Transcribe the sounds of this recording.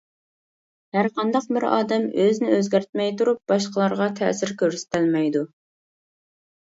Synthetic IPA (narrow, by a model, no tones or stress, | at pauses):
hæɾqʰɑnd̪ɑq̚bɪɾɑ̰ːd̪ɛmøznɪøzɡʲæɾt̪̚mɛjt̪uɾup̚b̥ɑʃqəlˠɑɾʁɑt̪ʰɛ̰sɪɾkʲʰøɾsɪ̥t̪ɪlmɛjd̪u